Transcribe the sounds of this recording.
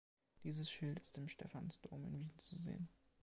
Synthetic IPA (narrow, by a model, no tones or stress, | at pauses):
d̥iːzəsʃɪltɪst̚d̥eːmʃtʰɛfanstoːmɪ̰nviːnt͡suzḛːən